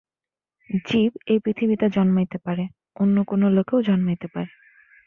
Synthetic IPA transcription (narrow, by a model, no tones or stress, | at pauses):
d͡ʑibejpɾit̪ʰibit̪ad͡ʑɔnmait̪epaɾe | onːokonolokeod͡ʑɔnmait̪epaɾe